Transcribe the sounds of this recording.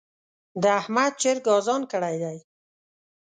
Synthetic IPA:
d̪əahmad̪̚t͡ʃeɾɡɑzɑnkəɽajd̪aj

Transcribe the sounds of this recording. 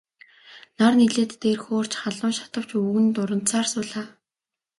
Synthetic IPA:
narniɮeːt̪ːeːrxoːr̥t͡ɕχaɮʊːnʃḁt̪ə̆w̥t͡ɕuɣɘ̆nt̪ʊɾə̆n̥t͡saːrsʊːɮaː

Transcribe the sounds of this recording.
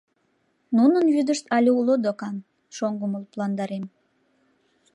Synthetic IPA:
nunənβyd̪əʃt̪ɑlʲeulod̪okɑn | ʃoŋɡuməlplɑnd̪ɑɾem

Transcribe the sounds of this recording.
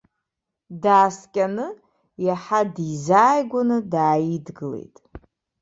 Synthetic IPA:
daːskʲʼanɨ | jaħadizaːjɡʷanɨdaːjidɡɨlḛjtʼ

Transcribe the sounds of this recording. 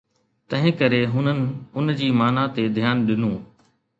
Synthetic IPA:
t̪ɐ̃ɦɪ̃kɐɾeɦʊnənɪ̆ʊnd͡ʑiːmaːnat̪ed̪ʱjaːnɗɪnũː

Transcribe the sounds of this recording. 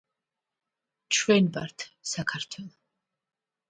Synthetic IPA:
t͡ʃʰwɛnba̰ɾt̪ʰsakʰarɾt̪ʰwɛlˠ

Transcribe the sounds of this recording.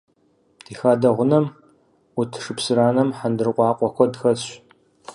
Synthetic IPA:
d̥iːxaːdɐʁʷʊnɐm | utʰʂɨpsɨɾaːnɐmħandɨrqʷʼɑːqʷʼɔxʷɔdxɐɕ

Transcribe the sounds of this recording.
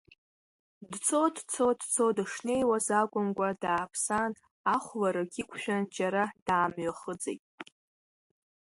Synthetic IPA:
dt͡sʰodt͡sʰodt͡sʰodɨʂne̞jwazakʷʼʊmkʷʼadaːpʰsan | aχʷlaɾaɡʲikʷʰʃᶣand͡ʒaɾad̥aːmɥaχəd͡zejtʼ

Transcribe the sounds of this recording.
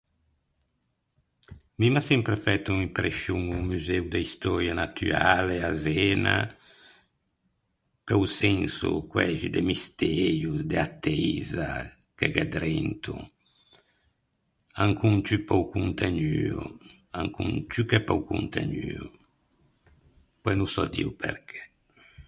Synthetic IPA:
mimasɛmpɾefɛt̪uŋimpɾesjuŋumyzewd̪eist̪ɔɾjanat̪ʰy̰ɾaleazɛna̰ | peusɛnsṵkwɛʒid̪emist̪eɾjud̪eat̪ːɛza | keɡed̪ɾɛnt̪ʰṵ | aŋkunt͡ʃypɔwkunt̪enyṵ | aŋkṵŋt͡ʃykɛpɔwkṵnt̪ḛɲyːu | pɔjnusɔd̪ḭwpʰḛɾkʰɛ̥

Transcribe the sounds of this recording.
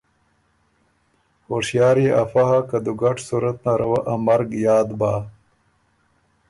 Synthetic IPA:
hoʂjɑːɾiʔafaɦakad̪uɡaʈsuɾat̪naɾawaʔamaɾɡjɑːd̪baː

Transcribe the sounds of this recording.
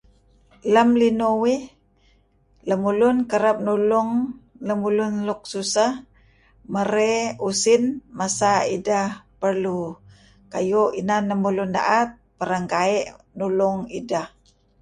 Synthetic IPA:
ləmlinowi | ləmulʊnkəɾap̚nulʊŋ | ləmulʊnluk̚susah | məɾeusinmasaidahpəɾlu | kajuinanːəmulunda̰ʔat̪̚pəɾəŋkaɛʔ | nuluŋidah

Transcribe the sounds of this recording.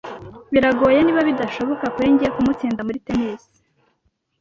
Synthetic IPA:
βiɾaɡo̞ːjeniːβaβidaʃo̞βo̞kakuɾiɲɟiekumut͡siːndamuɾitemesi̥

